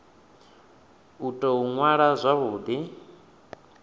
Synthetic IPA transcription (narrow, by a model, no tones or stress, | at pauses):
utʼɔɦuŋwaɺazʷaβuːd̪i